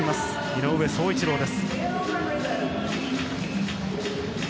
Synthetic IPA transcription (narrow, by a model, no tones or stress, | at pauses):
imasɨ̥ | mʲinoɯ̟βe̞so̞ːit͡ɕiɾo̞ːd̪e̞sɨ̥